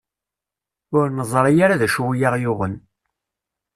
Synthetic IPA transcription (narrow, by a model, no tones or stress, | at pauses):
ʊɾnəzˤɾˤɑjaɾaðæʃuwjɑʁjʊʁən